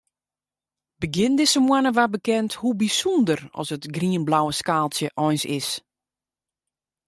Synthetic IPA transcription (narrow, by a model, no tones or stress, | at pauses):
bəɡɪndɪsəmwanəʋabəkɛnthubisɔndərɔ̰sətɡriənblawəskaːlˠsjəʔɔjnsɪs